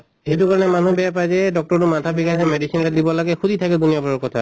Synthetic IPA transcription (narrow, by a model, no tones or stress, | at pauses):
hejtukaɹɔnɛmanubɛjapajzɛdɔk̚tɔɹtumatʰabikasɛmedisinaɾɛdibɔlaɡɛxudʱitʰakɛd̪unijabɔɹɔɹkɔtʰa